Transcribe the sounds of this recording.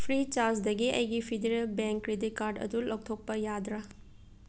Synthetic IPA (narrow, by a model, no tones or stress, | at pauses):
pʰɾit͡ʃaɾd͡ʒdɐɡiɐjɡipʰedeɾelbeŋkːɾedikaɾɖɐ̰dulʔɐk̚tʰok̚pɐjad̪ɾa